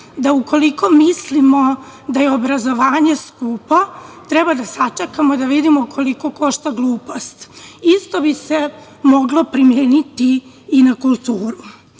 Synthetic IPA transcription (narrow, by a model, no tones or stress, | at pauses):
d̪auko̞liko̞mislimo̞ | d̪ajeobɾazo̞ʋaːɲe̞skupat̪ɾebad̪asat͡ʃakamod̪aʋid̪imokʰo̞liko̞ko̞ʃt̪aɡlˠuːpost̪ist̪o̞bise̞ | mo̞ɡlˠo̞pɾimjeːnit̪iː | nakulˠt̪uːɾu